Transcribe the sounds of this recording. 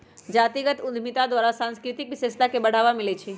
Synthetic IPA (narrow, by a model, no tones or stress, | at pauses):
d͡ʒat̪iɡət̪ʊd̪ʱmit̪ad̪ʋaɾasãnskɾɪt̪ikʋɪʃest̪akebəɽ̤aʋamɪlet͡ʃʰe